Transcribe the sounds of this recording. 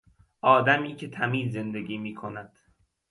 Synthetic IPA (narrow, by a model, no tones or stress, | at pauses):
ʔɒːd̪æmiːcʰe̞t̪ʰæmiːzːe̞nd̪eɡiːmiːkʰo̞næd̪̥